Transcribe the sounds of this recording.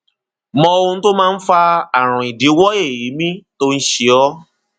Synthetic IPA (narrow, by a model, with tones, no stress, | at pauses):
mɔ̃˧õ˧˦to˦mãː˦˧n̩˦fa˧a˨ɾ̃ã˨i˨di˨˦wɔ˦e˦˨ji˨˦mĩ˦to˦n̩˦ʃe˧ɔ˦